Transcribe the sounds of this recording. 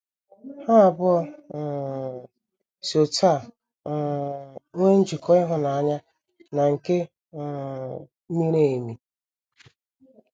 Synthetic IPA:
ha˦˨bʊ˦ɔ˦˨ | so˨ta˦˨˦ | e˦n̩˦d͡ʒi˨kʰɔ˦ɪ˦ɦʊ˦na˨a˦ɲa˦ | na˨ŋ̩˨ke˦˨˦ | mi˦ɾe˦˨mi˨

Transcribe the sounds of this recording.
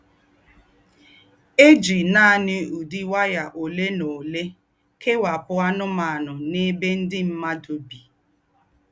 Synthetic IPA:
e˦d͡ʒi˨na˦˨nɪ˦u˨di˦wa˦ja˨ʔo˨le˦no˨le˦ | kʰe˦wa˨pʊ˦a˦nʊ˦ma˨a˨nʊ˨ne˦be˦n̩˦dɪ˦m̩˦ma˦do˨bi˨

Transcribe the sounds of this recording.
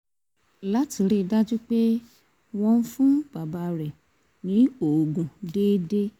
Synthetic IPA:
la˦ti˧ɾe˦˨da˦d͡ʒu˦k͡pe˦ | w̃ɔ̃˧n̩˦fũ˦b̥a˨ba˨˧ɾɛ˨ | nĩ˨˦o˨ɡũ˨deː˦de˦

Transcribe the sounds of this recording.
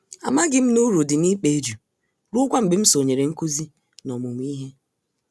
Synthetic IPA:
a̰˨ma˦ɡɪ˦m̩˦nu˦ɾo˨dɪ˨ni˦k͡pe˨˦d͡ʒu˨ | ɾu˦ʊ˦kʷa˦m̩˨bɪ˨m̩˦so˨ɲe˨ɾe˨ŋ̩˦ku˦zi˦ | nɔ˨mʊ˨mʷ˨˦i˦ɦe˦

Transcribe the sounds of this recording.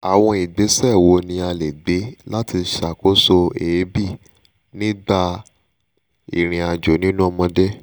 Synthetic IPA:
a˨w̃ɔ̃˧i˨ɡ͡be˨˦sɛ˦˨wo˧nĩ˧a˧le˨ɡ͡be˨˦la˦ti˧˦ʃa˨ko˦so˧e˨˦bi˦˨ | nĩ˦ɡ͡ba˧ | ḭ˨ɾ̃ĩ˨a˨d͡ʒo˨˦nĩ˦nũ˦ɔ˧mɔ̃˧de˦

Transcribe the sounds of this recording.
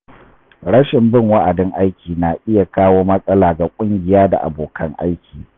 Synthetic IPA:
ɽɐ˦ʃɪ˨mbɪ˦˨ŋwa˦ʔa˨dɪ˦ŋʔa˦jkʲiː˨naː˨ʔɪ˦ja˨kaː˦woː˦mɐ˦sʼɐ˦laː˨ɡa˨kʷʼʊ˦ŋɡʲɪ˨jaː˦da̰˨ʔa̰˨boː˨kʰɐ˦ŋʔa̰˦jkʲiː˨

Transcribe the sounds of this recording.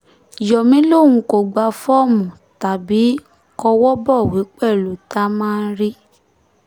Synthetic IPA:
jɔ˨mĩ˨˦lo˦˨ŋũ˧˦ko˨ɡ͡ba˧fɔ˦˨mũ˨ | ta˨bi˨˦ | kɔ˧wɔ˦bɔ˦˨we˨˦k͡pɛ˦˨lu˨˦ta˦mãː˦˧n˦ɾi˦

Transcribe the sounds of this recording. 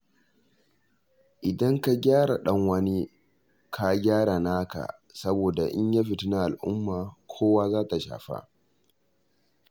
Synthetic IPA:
ʔɪ˨dɐ˦ŋka˦˨ɡʲaː˦ɽa˨ɗɐ˦ŋwɐ˦ni˦ | kʰa˨ɡʲaː˦ɾa˨naː˦ka̰˨ | sɐ˦boː˨da˨ʔɪ˦ɲjaː˦ɸɪ˨tu˦na˦ʔa˨lʔʊ˦mːaː˨kʷʰoː˦waː˦zaː˦ta˨ʃa̰ː˨ɸa̰˦ʔ

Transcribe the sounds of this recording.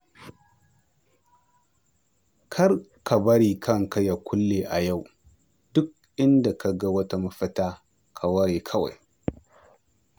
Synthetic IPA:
kʰa˦ɾkʰa˨bɐ˦ɾi˨kʰɐ˦ŋka˦ja˨kʷʰʊ˦lːe˨ʔa˨ja˦˨w | d̥ʊ˦k̚ | ɪ˦nda˨ka˨ɡa˦wɐ˦ta˦ma˦fɐ˦ta˦ | kʰa˨wa˦ɾe˨kʰɐ˦wa̰˨j

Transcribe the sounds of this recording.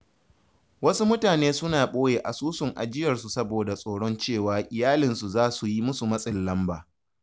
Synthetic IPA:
wɐ˦su˦mʊ˦taː˨neː˦sʊ˦naː˨ɓoː˦jeː˨ʔa˨suː˦sʊ˨ŋʔa̰˨d͡ʒɪ˦jɐ˨rsu˨sɐ˦boː˨da˨sʼoː˨ɽɔ˦nt͡ʃeː˦˨waː˨ʔɪ˨jaː˦lɪ˨nsu˨zaː˦su˨ji˦mʊ˦su˨mɐ˦sʼɪ˨lːɐ˦mbaː˨

